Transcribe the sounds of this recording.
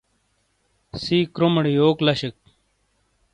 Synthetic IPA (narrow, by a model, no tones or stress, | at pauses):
siːkɾoməɽijoːklɐɕek̚